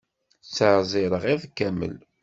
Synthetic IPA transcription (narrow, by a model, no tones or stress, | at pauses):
t͡sːəɾzˤɪɾəʁiðˤkːæmə̰l